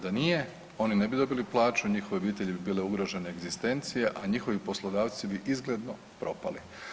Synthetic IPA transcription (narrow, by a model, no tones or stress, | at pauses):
d̪anije̞ | o̞nine̞bid̪o̞biliplˠaːt͡ʃuɲixo̞ʋebiːt̪e̞ʎibibiːle̞uɡɾo̞ʒe̞neːɡzist̪e̞nt̪sije̞ʔaɲixo̞ʋipo̞slˠod̪aːʋt̪sibiʔizɡle̞d̪no̞ | pɾʔo̞pali